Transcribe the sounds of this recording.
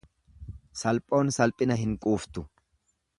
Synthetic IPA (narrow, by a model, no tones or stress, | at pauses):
sɐlpʼo̞ːnsɐlpʼɪnɐɦɪŋkʼuːft̪ʊ